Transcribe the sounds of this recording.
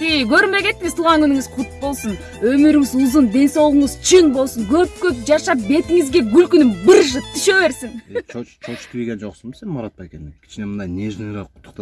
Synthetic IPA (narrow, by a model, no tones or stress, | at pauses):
ejkʲʰɵɾɪmbe̞kʰʲe̞t̪ːɪŋɪzt̪ʰuːʁɑnkʰɵnɪŋɪzqʰʊt̪bo̞lˠsən | wɵmɪɾɪŋɪzuzənbe̞nsɑwəɴəzt͡ʃʰiŋbo̞lˠsəŋkʲʰɵp̚kʲʰɵp̚ʒɑʃɑp̚be̞t̪ɪŋɪzɡʲe̞ɡʲʏlkʲʏnɪmbɪɾʒət̪t̪ʰːɪʃewe̞ɾsɪŋt͡ʃʰot͡ʃt͡ʃʰot͡ʃkʲʰbiɡʲenʒoqsənse̞nmɑɾɑt̪̚pɑjekʲend̪ɪŋkʲʰɪ̥ʃnemənd̪ɑjnʲeʒeneɾɑqʰːʊt̪ːəqt̪ɑ